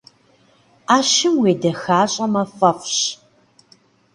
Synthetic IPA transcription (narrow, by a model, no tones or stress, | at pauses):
aːʃɪmweːdɐxaːɕʼɐmɐfɐfɕ